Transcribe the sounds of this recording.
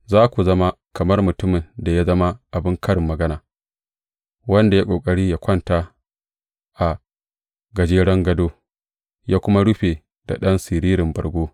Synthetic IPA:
zaː˦kʷu˨zɐ˦ma˦ | kɐ˨mɐ˦rmʊ˨tʊ˦mɪ˨nda˨ja˦zɐ˦ma˦ʔa˨bɪ˦ŋkʰɐ˦ɽɪ˨mːɐ˨ɡɐ˦naː˨ | wɐ˦nda˨ja˦kʷʼoː˨kʼɐ˦ɽiː˦ja˦kʷɐ˦nta˦ | ʔa˨ | ɡɐ˨d͡ʒeː˦ɽɐ˦ŋɡɐ˦doː˦ | jaː˦kʷʊ˦ma˦ɽʊ˦ɸeː˨ | da˨ɗɐ˦nsɪ˨ɾiː˦ɾɪ˨mbɐ̰˨rɡʷoː˦

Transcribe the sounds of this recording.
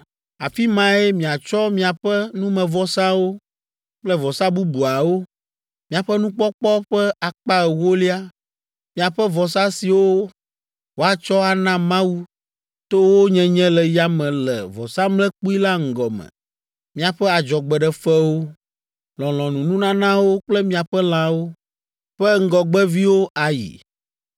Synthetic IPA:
a˨fi˦mã˦e˦mĩ˨a˨t͡ʃɔ˦mĩ˦a˨ɸɛ˦nũ˦mɛ̃˨vɔ˨sã˦wo˦ | k͡plɛ˦vɔ˨sa˦bu˦bu˨a˨wo˦ | mĩ˦a˨ɸɛ˦nũ˦k͡pɔ˦k͡pɔ˦ɸɛ˦a˨k͡pa˦ɛ˨wo˦li˦a˦ | mĩ˦a˨ɸɛ˦vɔ˨sa˦si˨wo˦ | wo˨a˨t͡ʃɔ˦a˨nã˦mã˦wu˦ | t̪o˦wo˦ɲɛ̃˦ɲɛ̃˦lɛ˨ja˦mɛ̃˨lɛ̰˨vɔ˨sa˦mlɛ̃˦k͡pu˦i˦la˦ŋ̩˨ɡɔ˨mɛ̰̃˨ | mĩ˦a˨ɸɛ˦a˨d͡ʒɔ˨ɡ͡bɛ˨ɖɛ˨fɛ˦wo˦ | lɔ̃˨l̃ɔ̃˨nũ˨nũ˦nã˦nã˦wo˦k͡plɛ˦mĩ˦a˨ɸɛ˦l̃ã˦wo˦ | ɸɛ˦ŋ̩˦ɡɔ˨ɡ͡bɛ˦vi˦wo˦ʔa˨jḭ˨

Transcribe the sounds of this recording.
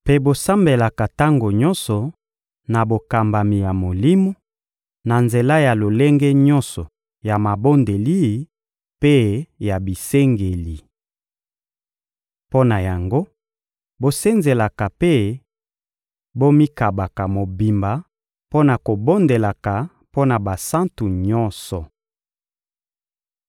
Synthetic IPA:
pe˦bo˦sa˦mbe˨la˨ka˨ta˦ŋɡo˨ɲɔ̃˦nsɔ˨ | na˨bo˨ka˨mba˨mi˨ja˨mo˨li˦mo˦ | na˨nze˨la˦ja˨lo˨le˦ŋɡɛ˦ɲɔ̃˦nsɔ˨ | ja˨ma˨bo˦nde˨li˦˨ | pe˦ja˨bi˨se˦ŋɡe˨li˨ | po˦na˨ja˨ŋɡo˦ | bo˦se˦nze˨la˨ka˨pe˦ | bo˦mi˦ka˨ba˨ka˨mo˨bi˨mba˨ | po˦na˨ko˨bo˦nde˨la˨ka˨ | po˦na˨ba˨sa˦ntu˨ɲɔ˦nsɔ˨

